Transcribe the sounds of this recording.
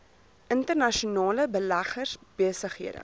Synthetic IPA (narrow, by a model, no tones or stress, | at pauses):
ʔəntərnɐʃunɑːləbəlæχərsb̥iəsəχɦiədə̰